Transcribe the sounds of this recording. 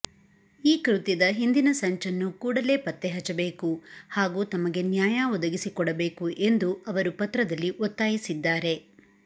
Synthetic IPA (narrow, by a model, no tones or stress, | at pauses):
iːkɾut̪id̪ɐɦind̪inɐsɐɲt͡ʃɐnːukuːɽɐle̞ːpɐt̪ːeɦɐt͡ʃːɐbe̞ːkuhaːɡuːt̪ɐmɐɡe̞njaːjaʋɔd̪ɐɡisikɔɽɐbe̞ːkuʔe̞nd̪uɐʋɐɾupɐt̪ɾɐd̪ɐlːiʔɔt̪ːaːjisid̪ːaːɾe̞